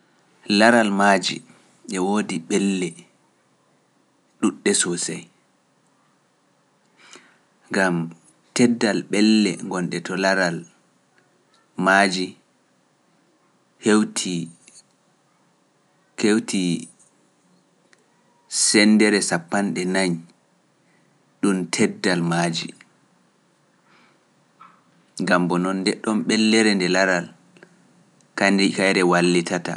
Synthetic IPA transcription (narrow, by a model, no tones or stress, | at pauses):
laɾalmad͡ʒḭ | ɓɛwoːdiɓɛlːɛ | ɗuɗːɛsɔsɛj | ŋɡam | tɛdːalɓɛlːɛ̰ŋɡɔnɗɛtʰɔlaɾal | mad͡ʒi | hewtʰi | kewtʰi | sɛndɛɾɛsapːanɗɛnaɲ | ɗumtʰɛdːalmaːd͡ʒi | ŋɡambɔnɔndɛɗɔmɓɛlːɛɾɛndɛlaɾal | kankajɾɛwalːitata̰